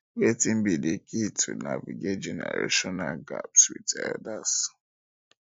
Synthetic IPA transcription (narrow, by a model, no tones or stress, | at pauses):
wetĩm̩bidekʰitʰunaviɡetd͡ʒɛnɛɹḛʃɔnalɡapswitɛdas